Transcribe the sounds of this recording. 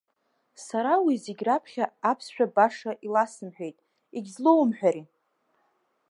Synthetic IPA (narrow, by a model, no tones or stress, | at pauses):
saɾawizeɡʲrapʰχʲaapʰsʃᶣabaʂaʔilasɨmħʷᶣejtʼ | iɡʲzlowmħʷᶣaɾi